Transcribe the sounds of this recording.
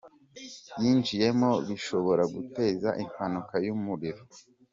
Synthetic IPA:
jiːnd͡ʒije̞mo̞βiʃo̞βo̞ɾaɡute̞ːzaʔimanukajumuɾiɾo

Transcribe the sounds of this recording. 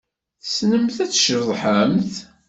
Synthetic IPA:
θsnəmθæt͡sːʃəɾðˤħəmθ

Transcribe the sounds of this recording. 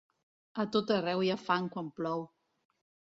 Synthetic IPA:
at̪ot̪arɛwiafaŋkwamplɔw

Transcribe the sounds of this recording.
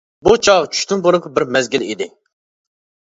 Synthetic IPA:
but͡ʃʰɑʁt͡ʃʰy̥ʃt̪ynbunɨŋqʰɑbɪɾmɛzɡʲilḭd̪ɪ

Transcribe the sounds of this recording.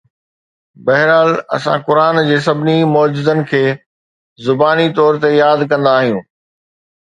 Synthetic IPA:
bɐɦɪɾaːlɐ̰sã̰kʊɾaːnd͡ʑeːs̬ɐbʱɪnimʊd͡ʑɪzənɪ̆kʰeː | zʊbaːnit̪ɔːɾt̪ejaːd̪kɐ̃nd̪aːɦijũː

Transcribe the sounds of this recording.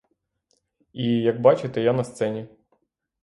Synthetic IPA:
ijɐɡ̚bɑt͡ʃet̪ɛjanɐst̪sɛnʲi

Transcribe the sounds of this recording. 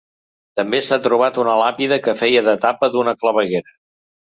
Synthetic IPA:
t̪əmbesat̪ɾuβ̞at̪unəlapiðəkəfɛjəðət̪apəðunəkləβəɣeɾə

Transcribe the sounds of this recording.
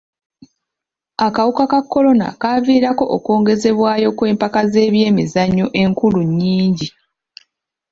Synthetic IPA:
akawukakakːo̞lo̞na̰kaːviːɾako̞ʔoko̞ːŋɡe̞ze̞βwaːjo̞kwe̞ːmpakaze̞ːβje̞ːmizaɲo̞ʔe̞ŋkuluɲːiːɲɟi

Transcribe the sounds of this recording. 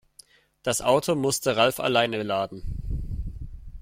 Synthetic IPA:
d̥asʔaʊtʰomʊstəʁalfa̰laɪnəlaːdn̩

